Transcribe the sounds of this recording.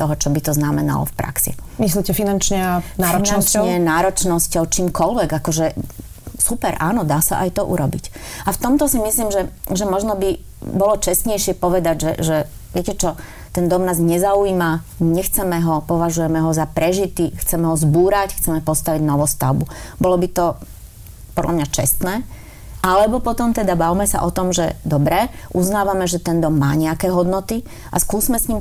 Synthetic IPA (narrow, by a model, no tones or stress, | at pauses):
t̪ɔɦɔt͡ʃɔbit̪ɔznamɛna̰lɔ̰fpɾʔa̰ksḭmislicɛfinant͡ʃɲɛanaːɾɔinnnst͡ʃɔɲɛnaːɾɔt͡ʃnɔscɔʊt͡ʃiːmkɔlʋɛɡakɔʒɛ | supɛɾʔa̰ːnɔd̪aːsa̰ʔajt̪ɔʔṵɾɔbḭc | aft̪ɔmt̪ɔsimisliːmʒɛʒɛmɔʒnɔbi | bɔlɔt͡ʃɛsɲɛjʃɪɛpɔʋɛd̪aɟʒɛ̰ʒɛ | ʋɪɛcɛt͡ʃɔ | t̪ɛnd̪ɔmnaːzɲɛzauiːma | ɲɛxt͡sɛmɛɦɔpɔʋaʒujɛmɛɦɔzapɾɛʒit̪ixt͡sɛmɛɦɔzbuːɾacxt͡sɛmɛpɔst̪aʋiɟnɔʋɔst̪a̰ʊbubɔlɔbit̪ɔ | pɔd̪lʔamɲat͡ʃɛ̰st̪nɛː | ʔalɛbɔpɔt̪ɔmt̪ɛd̪abaʋmɛsa̰ʔɔt̪ɔmʒɛ̰d̪ɔbɾɛʔuznaːʋamɛʒɛt̪ɛnd̪ɔmːaːɲɛakɛːɦɔd̪nɔt̪i | ʔa̰skuːzmɛsɲim